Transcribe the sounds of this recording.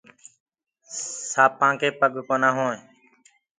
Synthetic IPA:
saːpãːŋkeːpəɠkoːnaːɦõː

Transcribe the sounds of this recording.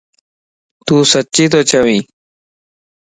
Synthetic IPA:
t̪usɐt͡ɕit̪̬ot͡ɕawi

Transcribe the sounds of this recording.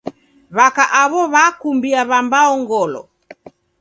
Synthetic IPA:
βakaʔaβɔβakumbiaβambaɔŋɡɔlɔ̰

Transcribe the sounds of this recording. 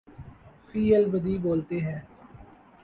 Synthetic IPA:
fʰiːəlbəd̪iːboːlt̪eːɦɛ̃ː

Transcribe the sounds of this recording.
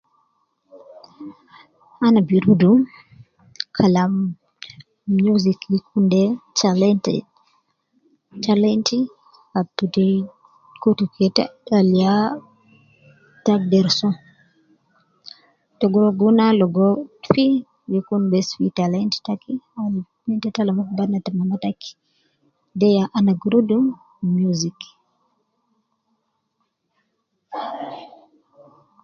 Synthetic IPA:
anabiɾudu | kʰalam | juzikjikundɛt͡ʃalɛntɛ̰ | talɛnti | katːuti | kutukɛta̰talija | tak̚dɛɾsɔ | tɔɡɔɡunalɔɡɔfi | jukunbɛsfitalantɛ̥takia | nintɛtalamubanːatamamataki̥ | dɛjaʔanaɡɾudum | muzik

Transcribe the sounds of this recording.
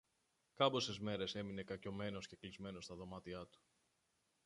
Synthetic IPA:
kɐbo̞se̞zme̞ɾe̞se̞mine̞kɐco̞me̞no̞sce̞klizme̞no̞st̪ɐðo̞mɐt̪iɐt̪u̥

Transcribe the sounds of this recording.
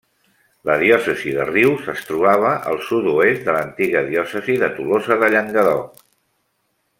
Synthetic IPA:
ləðiɔsəziðəriwsəst̪ɾuβaβ̞əʔə̰lˠsut̪uezd̪ələnt̪iɣəðiɔsəziðət̪ulozəðəʎəŋɡəðɔ

